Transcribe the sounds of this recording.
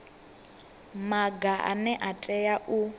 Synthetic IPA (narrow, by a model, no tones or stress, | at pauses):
maɡaʔa̰nɛʔatʼɛjaʔu